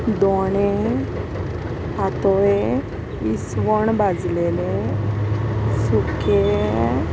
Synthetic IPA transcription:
d̪one | at̪oe | ʋisʋɔɳ̃bʱad͡zlele | suke

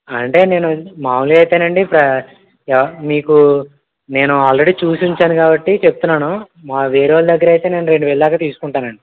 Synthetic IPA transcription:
ɐɳʈe̞ːne̞ːnumaːmuliɐjt̪eːnɐɳɖipɾɐ | ɛʋmiːku | ne̞ːnuaːlɾeɽiːt͡ʃuːsuɲt͡ʃaːnukaːbɐʈːit͡ʃebu̥t̪unːaːnu | maːʋe̞ːɾʋaːld̪ɐɡːɐɾɐjt̪e̞ːne̞ːnuɾe̞ɳɖuʋeːɭulaːɡaːt̪iːsu̥kuɳʈaːnɐɳɖi

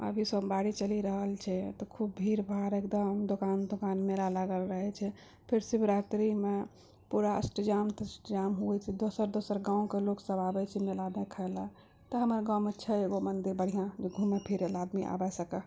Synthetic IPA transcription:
ə̰bʱisəbbaɽit͡ʃəliɾəɦəlt͡ʃʰɛt̪ɔkʰub̚bʱiɾbʱaɾek̚d̪əmd̪okand̪okanmelalaɡəlɾəɦɛt͡ʃʰɛ | pʰiɾsibɾat̪ɾime | puɾaə̰sʈəd͡ʒamt̪sʈd͡ʒamɦuɛt͡ʃʰɛd̪osəɾd̪osəɾɡãw̃keloksəbabɛt͡ʃʰɛmelad̪ekʰələ | t̪ɔɦəməɾɡãw̃mətːt͡ʃʰɛeɡomənd̪iɾbəɽ̤ijãd͡ʒeɡʱumepʰiɾelad̪miʔa̰bɛsəkɛ

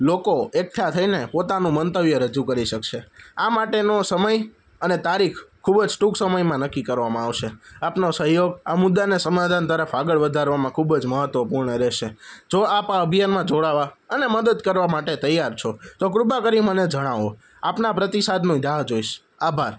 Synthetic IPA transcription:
lokoek̚ʈʰat̪ʰəinepot̪anũmənt̪əʋjəɾəd͡ʒukəɾiʃəkʃeamaʈenosəməj | ənet̪aɾikʰkʰːubd͡ʒʈuksəməjmãnəkːikəɾʋamãaʋʃeapnosəɦjoɡamʊd̪ːanesəmad̪ʱant̪əɾəfaɡəɭʋəd̪ʱaɾʋamãkʰubd͡ʒməɦət̪ʋəpuɾɳəɾeʃed͡ʒoapaəbʱijanmãd͡ʒoɭaʋaəneməd̪əd̪kəɾʋamaʈet̪əjaɾt͡ʃʰot̪okɾubʱakəɾiməned͡ʒəɽ̃aʋo | apnapɾət̪isad̪ʱnũd̪aɦd͡ʒoiʃ | abʱaɾ

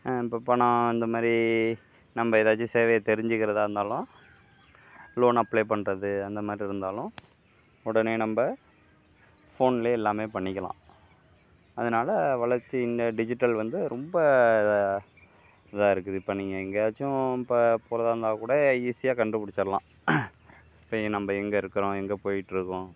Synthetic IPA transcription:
ɪpːoːpɐɳɐ̃ɪnd̪ɐmaːd̪ɾi | nɐmbɐɪðaːt͡ʃːɯ̃seːʋɐjɐt̪ɛɾɪɲd͡ʒɯkɪɾɐðaːɪɾɯnd̪aːlʊ̃ | loːnɐpːlejpɐɳɾɐðɯɐnd̪ɐmaːd̪ɾiɪɾɯnd̪aːlʊ̃ | ɔɽɐneːnɐmbɐ | foːnɪleɛlːaːmeːpɐɳːɪkʲːɐlã̰ː | ɐðɯnaːlɐʋɐɭɐɾt͡ʃːɯɪnd̪ɐɖɪd͡ʒɪʈːɐlʋɐnd̪ɯɾɔmbɐð | ɪðaːɪɾɯk̬ːɯðɯpːɐɳːɪŋɡɐɛŋɡɐt͡ʃːʊ̃pɐpʊːɾɐðaːɾnd̪aːkuːɽɐiːsɪjaːkɐɳɖɯpʊɽɪt͡ʃːɐɾɐlã̰ː | ɪpːoːnɐmbɐɛŋɡɐɪɾɯkːɯɾʊ̃ɛŋɡɐpoːjɪʈːɪɾɯkːʊ̃

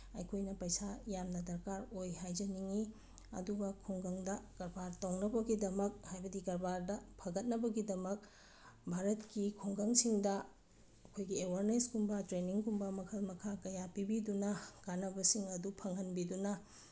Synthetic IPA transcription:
ɐ̰jkʰojnɐpɐjsajamnɐdɐɾkaɾojɦajd͡ʒɐniŋi | ɐ̰duɡɐkʰoŋɡɐŋdɐɡ̥ɐɾbaɾtowŋnɐbɐɡidɐmɐk̚hajbɐdiɡɐɾbaɾdɐpʰɐɡɐt̚nɐbɐɡidɐmɐk̚ | bʱaɾɐtkikʰoŋɡɐŋsiŋdɐ | ɐkʰojɡiewaɾneskumbɐtɾeniŋkumbɐmɐkʰɐlmɐkʰakɐjapibidunɐɡ̥anɐbɐsiŋɐdupʰɐŋhɐnbidunɐ

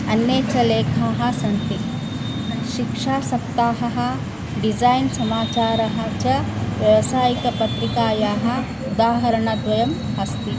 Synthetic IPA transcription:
ɐnːjeːt͡ʃɐleːkʰaːɦɐ̆sɐnt̪i | ʃikʂaːsɐp̚t̪aːɦɐɦɐ̆ | ɖid͡ʒaːjnsɐmaːt͡ʃaːɾɐɦɐ̆t͡ʃɐʋjɐʋɐsaːjikɐpɐt̪ɾikaːjaːɦɐ̆ | ud̪aːɦɐɾɐɳɐd̪ʋɐjɐm | ɐst̪i

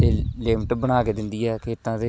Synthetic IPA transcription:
eːleːmʈbəɽ̃aːkeːd̪ɪnd̪iːɛːkeɪt̪ːãːt̪eː

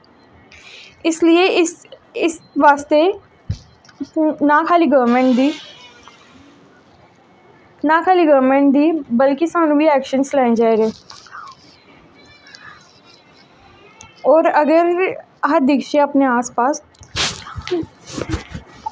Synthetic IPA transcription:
ɪslieɪɪsʋaːst̪e | nakʰaːliɡəːɾmẽɳʈ̚d̪i | nakʰaːliɡəːɾmẽːɳʈ̚d̪iːbəlkisaːnũbʱiɛːkʃənslãːɪ̃d͡ʒaːeɾeː | ɔːɾəɡəɾ | ɦəɾd̪ɪkʃeɐpneaːspaːs

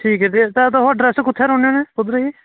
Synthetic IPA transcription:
ʈʰiːkɦɛt̪et̪ɛt̪oɦoɖɾɛːskʊt̪ʰːeːɾõːnẽːnẽːpʊd̪ɾəiː

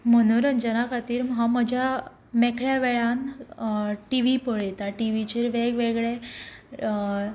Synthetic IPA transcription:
mənuɾənd͡ʑənakat̪iːɾmɦaməd͡ʑʱja | mekʰɭjaʋeɭan | ʈiʋipəɭjet̪aʈiʋit͡ɕeːɾʋeɡʋeɡɭe

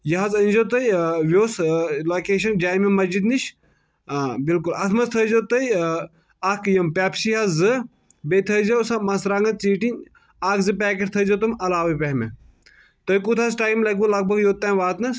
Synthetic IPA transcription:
jɐɦɐzɐnʲd͡ʒoːt̪ɐjʋjoːsloːkeːʃɐnd͡ʒaːjmemɐzd͡ʒid̪niʃ | bilkulɐt̪ʰmɐzt̪ʰɐzoːt̪ɐi | akjɐmpʲaːpsiːɦɐzɨ | bet̪ʰɐzɐsɐmɐsɾɐŋɡɐt͡siːʈin | aːkzɨp̬ɛːk̬eʈ̚t̪ʰɐzot̪ɨmɐlaːʋɐpɐɦme | t̪ɐjkut̪ʰaːsʈaːjmlɐɡ̚bulɐɡ̚bʱɐɡjoːt̪ːãːʋaːt̪nɐs

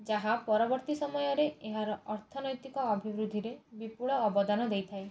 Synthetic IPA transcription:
d͡ʒaɦapɔɾɔbɔɾt̪isɔmɔjɔɾeeɦaɾɔʔɔɾt̪ʰɔnɔjt̪ikɔːbʱibɾud̪ʱːiɾebipuɭɔːbɔd̪anɔd̪ejt̪ʰae

